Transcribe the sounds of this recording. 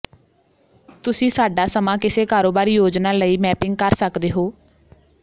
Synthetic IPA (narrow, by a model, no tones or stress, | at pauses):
t̪ʊsĩːsaːɖaːsəmãːkɪseːkaːɾoːbaːɾiːjoːd͡ʒnaːləiːmɛːpɪ̃ŋɡ̚kəɾsəkd̪eːɦoː